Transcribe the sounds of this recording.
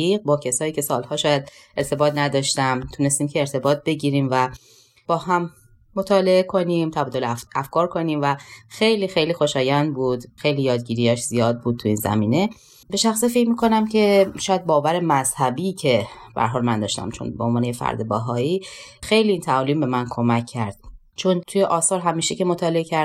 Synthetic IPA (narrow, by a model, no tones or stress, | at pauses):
iːɢ̚bɒːcʰesɒːjiːcʰe̞sɒːlhɒːʃɒːjæd̪ | ʔe̞ɾt̪ʰe̞bɒːt̪ʰnæd̪ɒːʃt̪æmt̪ʰunest̪iːmcʰeːɾt̪ʰe̞bɒːt̪̚ʰbe̞ɟiːɾiːmvæ | b̥ɒːhæmː | ot̪ʰɒːle̞ekʰo̞nimt̪ʰæbɒːd̪olʔæfkʰɒːɾkʰo̞niːmvæxejliːxe̞jliːxo̞ʃɒːjænd̪̚buːd̪xe̞jliːjɒːd̪̚ɟiːɾijæʃz̥ijɒːd̪̚buːd̪̚t̪ʰuiːnzæ̰miːne̞ | beʃæxsifecmiːkʰo̞næmcʰe̞ʃɒːjæd̪̚bɒːvæɾe̞mæz̥hæbicʰe̞b̥æ̰ɾɦɒːlmænd̪ɒːʃt̪æ̰mt͡ʃʰo̰nbeonvɒːnejefæ̰ɾd̪ebæɦɒːiːxe̞jliːiːnt̪ʰæɒliːmbe̞mænkʰo̞mæcʰːæɾd̪̥̚ | t͡ʃʰont̪ʰujeʔɒːsɒːɾɦæmiːʃece̞mot̪ʰɒːle̞ecʰæɾ